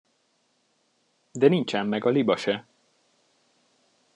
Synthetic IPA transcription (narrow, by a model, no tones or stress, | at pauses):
d̪ɛnint͡ʃɛmːɛɡɒlibɒʃɛ